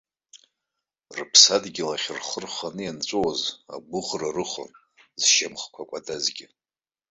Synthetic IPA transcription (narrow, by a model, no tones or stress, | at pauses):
rɨpʰsadɡʲɪlaχʲrχərχanɨjant͡ʃʷʼowaza̰ɡʷʊχrarɨχo̰n | zʃamχkʷʰakʷʼadazɡʲɪ